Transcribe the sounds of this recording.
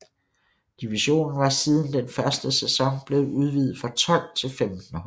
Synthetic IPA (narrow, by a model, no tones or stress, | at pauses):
d̥iʋiɕo̝̰ːnn̩ʋɑ̈siːð̞ˠən̩d̥enfɶɐsd̥əsesɒ̽ŋb̥le̝ːð̩ˠuð̞ˠʋiːð̩ˠfʁɑ̈t͡sʰɒ̽l̰t͡sʰe̝lfemd̥n̩h